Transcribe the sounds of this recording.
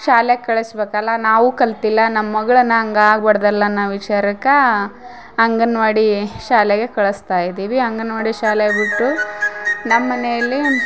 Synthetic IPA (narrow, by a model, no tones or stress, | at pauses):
ʃaːlekɐɭɐsbeːkɐlːɐnaːʋukɐlt̪ilːɐnɐmːɐɡɐɭɐnːɐɐŋɡɐaːɡ̚bɐɽɐd̪ɐlːɐnːaʋit͡ʃaːɾɐkɐ | ɐŋɡɐnʋaɽiʃaːleɡe̞kɐɭɐst̪aːjid̪iːʋiɐŋɡɐnʋaːɽiʃaːlebiʈːu | nɐmːɐnejɐlːi